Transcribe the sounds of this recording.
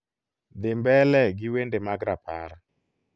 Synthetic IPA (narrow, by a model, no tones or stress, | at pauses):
d̪ɪmbɛlɛɡɪwendemaɡɾapʰa̰ɾa